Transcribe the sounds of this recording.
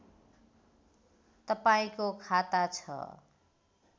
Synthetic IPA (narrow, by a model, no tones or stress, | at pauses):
t̪ʌpaĩkokʰat̪at͡sʰʌ̰